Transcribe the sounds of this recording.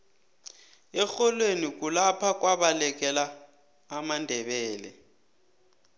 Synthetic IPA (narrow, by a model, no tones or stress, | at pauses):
ɛxɔlwenik̬ʼulapʰak̬ʼwaɓalɛk̬ɛlaː | mandʱɛɓɛːlɛ̰